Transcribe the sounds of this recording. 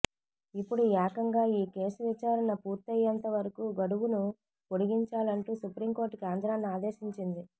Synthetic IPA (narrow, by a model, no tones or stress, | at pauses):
ipːuɽuaːkɐŋɡaːiːke̞ːsuʋit͡ʃaːɾɐnɐpuːɾt̪ɐjːɐnt̪ɐʋɐɾɐkuːɡɐɽuʋunu | koɽiɡiɲt͡ʃaːlɐɳʈuːsupɾiːmko̞ːɾʈːkaːnd̪ɾaːnːaːd̪e̞ːʃiɲt͡ʃind̪i